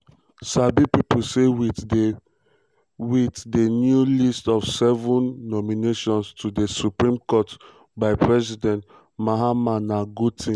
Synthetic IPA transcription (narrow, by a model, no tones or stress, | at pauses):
sabipipusew | witdenjulistɔfsɛvũnːɔmineʃɔ̃nstʰudesupɹĩmkɔt | baɪpɹɛsidɛ̃nt | maɦamanaɡutʰĩ